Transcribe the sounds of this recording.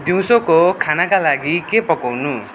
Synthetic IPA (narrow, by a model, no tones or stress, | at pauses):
d̪iw̃sokokʰanakalaɡikepʌkʌwnu